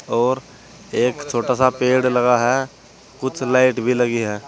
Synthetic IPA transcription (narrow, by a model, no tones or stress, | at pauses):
ɔːɾ | eːkt͡ʃʰoːʈasapeːɽlɐɡaɦɛ | kʊt͡ʃʰlaːɪʈbʱilɐɡiɦɛː